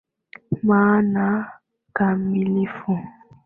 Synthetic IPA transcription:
maːna | kamilifu

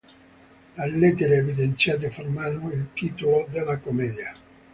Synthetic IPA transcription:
alːet̪ːeɾeːvid̪ent̪sjat̪̬efermanoilt̪iːt̪olod̪elːakomɛːd̪ja

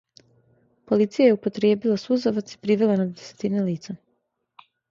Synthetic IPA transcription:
po̞lit̪sijajeupo̞t̪ɾjeːbilˠasuzoʋat̪si̥pɾiʋelenod̪ese̥t̪ineliːt̪sa

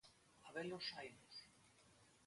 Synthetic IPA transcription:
aβelosajnos

